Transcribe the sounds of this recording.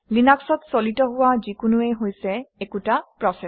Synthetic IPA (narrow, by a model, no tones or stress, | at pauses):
linaksɔtsolitɔɦʊwazikʊnuɛɦojsɛɛkutapɹɔsɛ